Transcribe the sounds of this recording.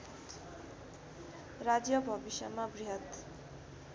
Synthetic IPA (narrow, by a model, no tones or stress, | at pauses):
rad͡zjʌbʱʌbisjʌmabriɦʌt̪